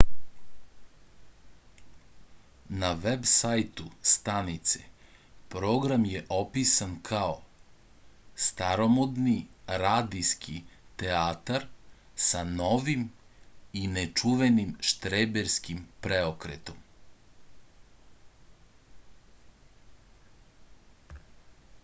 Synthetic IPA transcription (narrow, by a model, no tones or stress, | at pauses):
naʋebsajt̪ust̪anit̪sḛ | pɾoːɡɾamjeʔopisankʰao | st̪aɾomod̪niɾaːd̪iskʰit̪eaːt̪aɾ | sano̞ʋim | inet͡ʃuʋenimʃt̪ɾebeɾskimpɾeokɾet̪om